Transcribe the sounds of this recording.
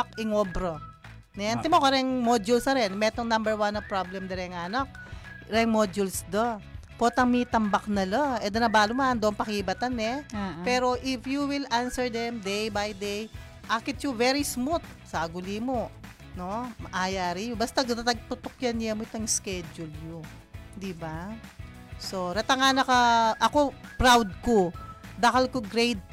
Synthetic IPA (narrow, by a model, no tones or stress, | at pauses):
kɪŋobɾo | nɛʔɐnt̪ɛmokɐɾɛŋmod͡ʒulsɐɾɛnmɛt̪oŋnambɛɹwanopɹoblɛmd̪ɐɾɛŋanak̚ɾɛŋmod͡ʒulsd̪opot̪ɐŋmit̪ɐmbɐk̚nɐloɛd̪ɐnɐbaːlʊmɐnd̪oʔɐŋpɐkibɐt̪ɐnɛpɛːɾo̞ʔɪfjuwɪlʔansɛɹd̪ɛmd̪ejbajd̪ej | ʔakɪt̪jʊvɛɾismut̪̚sɐʔɐɡʊlimo | nomɐʔajaːɾijobɐst̪ɐɡt̪at̪ɐɡ̚t̪ʊt̪okjɐnjɐmoɪt̪oŋskɛd͡ʒʊlɲo | d̪ɪba | soɾɐt̪ɐŋanɐkɐʔɐko̞pɹawd̪̚kod̪ɐkɐlkoɡɾejd̪̚